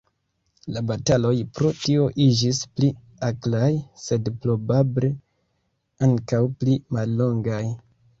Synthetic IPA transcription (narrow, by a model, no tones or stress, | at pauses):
labatalo̞jpɾo̞tio̞ʔid͡ʒispli | aklajse̞dplo̞bable̞ | aŋkawplimalːo̞ŋɡaj